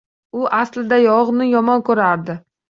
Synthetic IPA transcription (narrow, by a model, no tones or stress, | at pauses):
ʊʔaslɪd̪ajɒʁnɪjɒmɒnkʰɵɾaɾd̪ɪ